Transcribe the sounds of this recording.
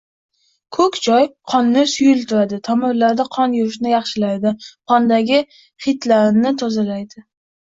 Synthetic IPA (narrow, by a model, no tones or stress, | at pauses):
kʰɵkʲd͡ʒɒjqʰɒnːɪsʊjʊlt̪ʰʊɾad̪ɪt̪ʰɒmɪɾlaɾd̪aqʰɒnjʊɾɪʃnɪjɑχʃɪlajd̪ɪqʰɒnd̪aɡʲɪ | χɪt̪laɾnɪt̪ʰɒzalajd̪ɪ